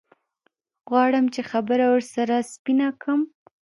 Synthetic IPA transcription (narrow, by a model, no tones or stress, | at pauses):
ɣwɑɽəmt͡ʃexabəɾawəɾsaɾaspinakʰəm